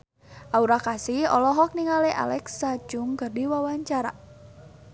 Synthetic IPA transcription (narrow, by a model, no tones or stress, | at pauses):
ʔauɾakasihɔ̰lɔɦɔk̚niŋaleʔa̰lɛksḁd͡ʒʊŋkərdiwawaɲt͡ʃaɾa